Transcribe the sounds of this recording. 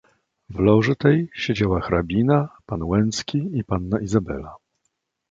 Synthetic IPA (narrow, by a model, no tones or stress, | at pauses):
vlɔʐɘt̪ɛjɕed͡ʑawaxɾabʲinapanwɛnskʲiipanːaʔizabɛ̰la